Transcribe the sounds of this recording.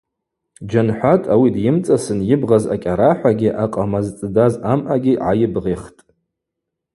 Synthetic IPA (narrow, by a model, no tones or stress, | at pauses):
d͡ʒanħʷatʼawidjɪmt͡sʼasɨnjɪbʁaza̰kʲʼaɾaħʷaɡʲiʔaqʼamazt͡sʼɨdazamʔaɡʲiʕajɪbʁeχtʼ